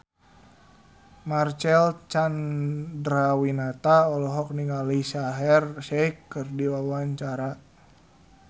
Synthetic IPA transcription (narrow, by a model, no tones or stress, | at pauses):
mart͡ʃɛlt͡ʃandɾawinat̪aɔlɔɦɔk̚niŋalisaɦɛrʃɛikːɨrdiwawaɲt͡ʃaɾa